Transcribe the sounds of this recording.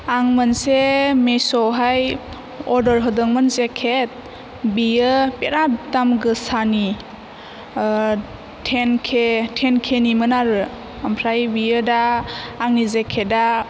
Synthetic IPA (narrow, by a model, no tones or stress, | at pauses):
aŋmɯnsemesɔɦaj | ɔdɔɾɦɯdɯŋmɯnzekʰet̚ | bijɯpeɾadamɡɯsani | tʰenkʰetʰenkʰenimɯnaɾɯ | ampʰɾajbijɯdaːŋnizekʰeda